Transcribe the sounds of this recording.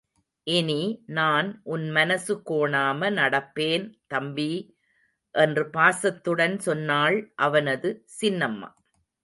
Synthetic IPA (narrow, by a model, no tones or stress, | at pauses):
ʔɪninaːnʔʊnmɐnɐsɯkoːɳaːmɐnɐɽɐpːeːnt̪ɐmbi | ʔɛndrɯpaːsɐt̪ːɯɽɐnsɔnːaːɭʔɐʋɐnɐðɯsɪnːɐmːa̰ː